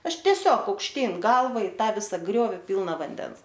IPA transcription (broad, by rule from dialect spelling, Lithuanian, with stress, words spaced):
ˈɐʃ tʲiɛˈsʲoːk ɐʊkʃʲˈtʲiːn ˈɡɐlˠʋɐ ɪ ˈtɑː ˈʋʲɪsɐ ˈɡrʲoːʋʲɪ ˈpʲiːlˠnɐ ʋɐnʲˈdʲɛn